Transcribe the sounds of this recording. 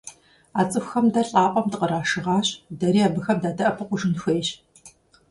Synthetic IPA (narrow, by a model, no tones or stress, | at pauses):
aːt͡sʼɨxʷxɐmdɐɬʼaːqʷʼɔmtqəɾaːʂɨʁaːɕdɐɾiːaːbɨxɐmdaːdɐʔɐpʰɨqʷʊʒɨnxʷejɕ